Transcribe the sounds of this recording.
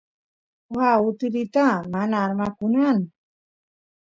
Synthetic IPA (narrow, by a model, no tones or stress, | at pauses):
haut̪ilit̪amanaːɾmakunan